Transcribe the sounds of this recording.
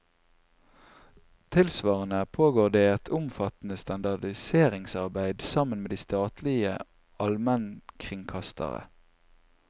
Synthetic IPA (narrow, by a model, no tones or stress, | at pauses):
t̪ʰɪlsʋɑːʁənəpʰoːɡoːʁd̪eːɛt̪ʰʊmfɑt̪n̩əst̪ɑnd̪ɑd̪ɪseːʁɪŋsɑʁbæɪd̪sɑmənmeːd̪iːst̪ɑːt̪lɪə | ɑlmənkʰʁɪŋkʰɑst̪ʰə̰ʁə̰